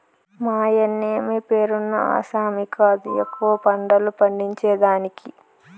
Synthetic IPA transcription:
maːjɐnːeːmepeːɾunːɐa̰ːsaːmikɐd̪iekːuʋɐpɐɳɖɐlupɐɳɖiɲt͡ʃɛːd̪aːniki

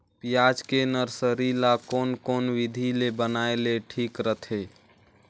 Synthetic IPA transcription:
pijad͡ʒkenəɾsəɾilakonkonʋid̪ʱilebənaeleʈʰikɾət̪ʰe

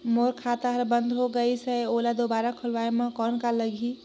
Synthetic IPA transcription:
moɾkʰat̪aɦəɾbənd̪ʱɦoɡəjsəjolad̪obaɾakʰəlʋajməkɔnkaləɡʱi

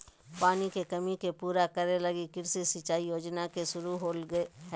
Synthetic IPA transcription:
paːnikekɐmikepuːɾakəɾeləɡikɪɾsisɪt͡ʃaːijoːd͡ʒnakesʊɾuɦoːlɡɦɛː

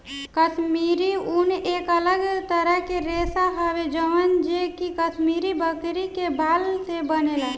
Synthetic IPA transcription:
kət̪miɾiunekələɡt̪əɾəɦkeɾesaɦəʋed͡ʒəʋənd͡ʒekikət̪miɾibəkɾikebalsebənela

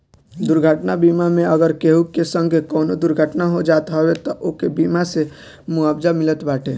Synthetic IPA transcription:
d̪ʊɾɡʱəʈnabiːmamẽəɡəɾkeɦukesə̃ŋɡʱekɔːnod̪ʊɾɡʱəʈnaɦod͡ʒaːt̪ɦɔwet̪ɔʔokebiːmase | mʊaːbd͡ʒamɪlət̪baːʈʰeː

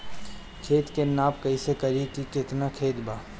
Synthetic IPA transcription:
kʰeːt̪kenaːpkɐisekɐɾikikɪt̪nakʰeːt̪baː

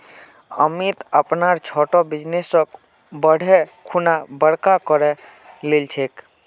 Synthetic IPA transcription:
ə̰mit̪əpnaɾt͡ʃʰɔʈɔbid͡ʒnesə̃k | bəɽ̤ʱɛkʰunabəɽkakɔɾɛ | lelt͡ʃʰek

